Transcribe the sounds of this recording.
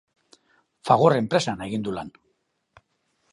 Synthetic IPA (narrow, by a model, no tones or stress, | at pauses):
faɣ̞orempɾe̞saneɣind̪ulan